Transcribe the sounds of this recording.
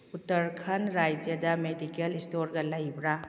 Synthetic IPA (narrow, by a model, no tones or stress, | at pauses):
utɐɾkʰɐnɾajd͡ʒjɐdɐmedikelistoɾɡɐlɐjbɾa